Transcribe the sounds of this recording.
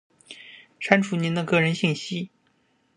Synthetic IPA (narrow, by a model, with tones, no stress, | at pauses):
ʂa˥nʈ͡ʂʰu˧˥ni˧˥nd̪ə˧kɤ˥˩ɻə˧˥nɕi˥˩ŋɕi˥